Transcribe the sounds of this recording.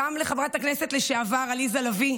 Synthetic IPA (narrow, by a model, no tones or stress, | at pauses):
amleχamʁat̪aknese̞tleʃeavaʁalizalavi